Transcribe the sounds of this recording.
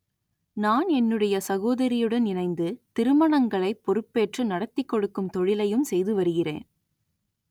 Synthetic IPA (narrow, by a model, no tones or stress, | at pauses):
naːnɛnːɯɽɐjɐsɐɣoːðɐɾɪjɯɽɐnɪnɐɪnd̪ɯt̪ɪɾɯmɐɳɐŋɡɐɭɐɪpːɔɾɯpːeːʈrɯnɐɽɐt̪ːɪkːɔɽɯkːɯmt̪ɔɻɪlɐjɯmsɛjðɯʋɐɾɯɣɪrḛːn